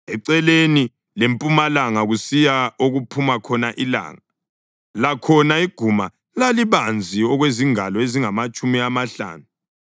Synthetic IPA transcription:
ɛǀɛleni | lempʼumalaŋaɣusijaoɣupʰumakʰɔnaʔila̰ːŋa | lakʰɔnaiɡ̥ʱuma | laliβand͡zʱiɔɣweziŋalɔeziŋamat͡ʃʼumiamaɬa̰ːnu

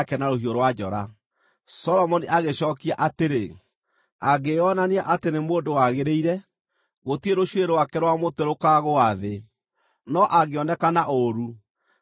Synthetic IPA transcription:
kɛnaɾoɦioɾwad͡ʒɔɾa̰ | sɔlɔmɔniʔaɣeɕɔːkiaʔateɾe | aɣeɔnaneaʔatenemoːndowaɣeɾeiɾɛ | ɣotieɾoʃweɾewakɛɾwamoteɾokaɣoaðe | nɔʔaɣeɔnɛkanaʔoɾu

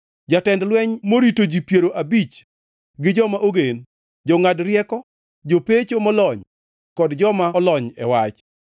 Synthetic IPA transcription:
d͡ʒatɛndlwɛɲmoɾitod͡ʒipjeɾoʔabit͡ʃ | ɡɪd͡ʒɔmaʔoɡen | d͡ʒɔŋadrjɛkɔ | d͡ʒopet͡ʃomɔlɔɲ | kɔdd͡ʒɔmalɔɲɛ̰wat͡ʃ

